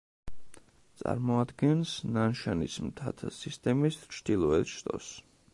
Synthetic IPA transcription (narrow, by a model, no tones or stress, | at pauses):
t̪sʼa̰ɾmɔad̪ɡɛnsnanʃanismt̪ʰat̪ʰsist̪ʼɛmist͡ʃʰd̪̥ilˠɔɛlʃt̪ʼɔ̰s